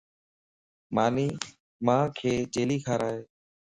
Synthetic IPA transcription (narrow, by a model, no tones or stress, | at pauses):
maːniː | mãːkʰeːd͡ʒeːliːkʰaːɾaːɦeː